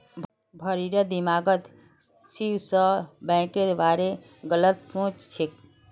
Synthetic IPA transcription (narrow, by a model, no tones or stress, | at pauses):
bʱəɾiɾəd̪imaɡət̪ | siwsəbɛ̃keɾbaɾe | ɡələt̪sõt͡ʃt͡ʃʰik̚